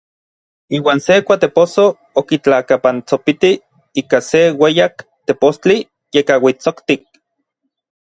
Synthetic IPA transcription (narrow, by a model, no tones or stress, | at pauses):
iːwaːnsekʷat̪eposo | okit͡ɬakapant͡sopit̪i | iːkasewejakt̪epost͡ɬi | jekawit͡sokt̪ik̚